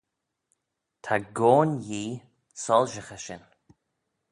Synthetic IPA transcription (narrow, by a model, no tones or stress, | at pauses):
t̪ʰaɡoːnjiː | sɔlʒəxəʃɪn